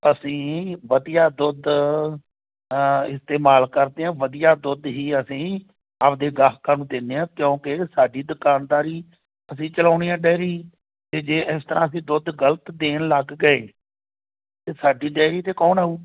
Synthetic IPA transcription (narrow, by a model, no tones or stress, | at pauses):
əsĩːʋəd̪ijaːd̪ʊd̪ | ɪst̪eːmaːlkəɾd̪eːãːʋəd̪ijaːd̪ʊd̪ɦiːəsĩː | əpd̪eːɡaːɦkaːnũːd̪enːeːãːkjõːkɪsaːɖiːd̪ʊkaːnd̪aːɾiː | əsĩːt͡ʃəlaːɳiːãːɖɛːɾiː | t̪eːd͡ʒeːʔɪst̪əɾʔãːəs̬ĩːd̪ʊd̪ɡələt̪d̪eːnləɡɡəeː | t̪eːsaːɖiːɖɛːɾiːt̪eːkɔːnauː